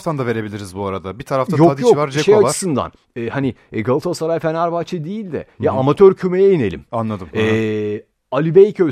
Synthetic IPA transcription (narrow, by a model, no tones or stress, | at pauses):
t̪and̪ave̞ɾe̞bilʲiɾizbuaɾad̪abit̪ʰaɾaft̪ajok̪jokvɾd͡ʒɛʃejat͡ʃɯ̥sɯnd̪a̰n | ɛːhanɪɡalˠɯt̪ʰasaɾajfenæɾbat͡ʃʰɯd̪ejilʲd̪ɛ̰jaːmat̪ʰøɾcʰymejɛjine̞lʲḭmanlˠad̪ɯmɛ | alʲibejcʰø